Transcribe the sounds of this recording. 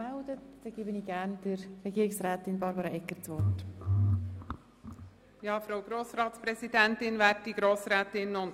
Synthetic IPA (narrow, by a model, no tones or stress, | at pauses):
ældətd̥ɛɡ̥eːbəniːɡæːɾnd̥əɾɛɡiːɾɪksɾæːt̪ɪnbɑɾbɑɾɑɛkːəɾt͡sʋɔt | jɑːfɾoaʊɡ̥ɾoːsɾɑːt̪spɾɛsidɛntɪnʋæːɾtːiɡɾoːsɾɛːtɪnʊn